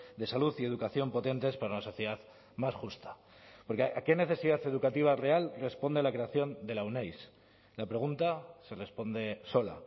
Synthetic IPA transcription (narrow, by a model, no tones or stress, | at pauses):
d̪e̞saluθie̞ðukaθjo̞mpo̞t̪e̞nt̪e̞spaɾaunaso̞θjeðað | masxust̪ḁ | po̞ɾkeʔake̞ne̞θe̞siðaθe̞ðukat̪iβ̞arealre̞spo̞nd̪ealakɾe̞aθjo̞nd̪e̞lawnejs | lapɾe̞ɣ̞unt̪ase̞re̞spo̞nd̪e̞so̞la̰